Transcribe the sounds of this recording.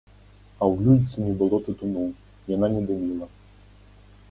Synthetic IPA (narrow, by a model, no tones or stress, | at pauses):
ɐwlʲujʲt̪sʲɨnʲɛbɨlˠɔt̪ut̪umuw | jananʲɛd̪umʲilˠɐ